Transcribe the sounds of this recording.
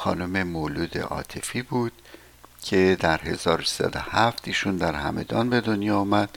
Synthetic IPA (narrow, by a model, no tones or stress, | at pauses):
xɒ̰ːnome̞moːluːd̪ḛʔɒ̰ːt̪ʰefiːbuːd̪̥ | cʰe̞d̪æɾɦe̞zɒːɾosi̥sæ̰d̪o̞̰hæft̪iːʃuːnd̪æɾhæ̰me̞̰d̪ɒːnbe̞d̪onjɒːumæd̪̥̚